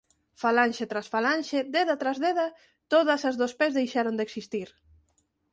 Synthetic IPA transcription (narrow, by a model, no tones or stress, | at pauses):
falanʲʃet̪ɾasfalanʲʃed̪eðat̪ɾazðeðɐ | t̪oð̞ɐsazðospezðejʃaɾond̪eksist̪iɾ